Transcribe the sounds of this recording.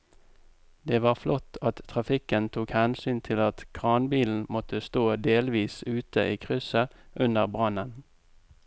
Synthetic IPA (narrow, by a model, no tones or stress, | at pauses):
d̪eːʋɑːʁflʔɔt̪ɑt̪tʰːʁɑfɪkənt̪ʰuːkhænsyːnt̪ʰɪlɑt̪kʰʁɑːnbiːln̩mɔt̪əst̪oːd̪eːlʋiːsʉːt̪əʔiːkʰʁʏsəʔʉnəʁbʁɑnən